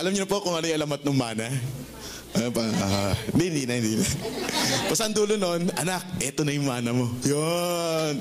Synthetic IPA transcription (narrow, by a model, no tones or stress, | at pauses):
ʔɐlɐmɲʊnɐpokʊŋɐnojʔɐlɐmɐt̪̚nʊŋmaːnɐ | ʔɐopɐoɪd̪ihɪnd̪iːnɐhɪnd̪iːnɐ | pʊsɐɐnd̪uːlononʔɐnak̚ʔɛt̪onɐjʊŋmaːnɐmo̞jon